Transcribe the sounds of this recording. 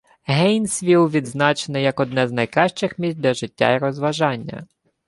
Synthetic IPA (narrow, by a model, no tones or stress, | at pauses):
ɦɛjnsʲʋʲiwˠʋʲid̪znɑt͡ʃenɪjɐkɔd̪nɛznɐjkɾɑʃt͡ʃɪxmʲisʲt̚ʲdʲlʲɐʒɪtʲːa̰iɾɔzʋɐʒɑnʲːɐ̰